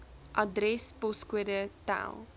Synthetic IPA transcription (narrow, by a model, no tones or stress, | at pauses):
ʔɐdɾɛspɔskuədəta̰lˠ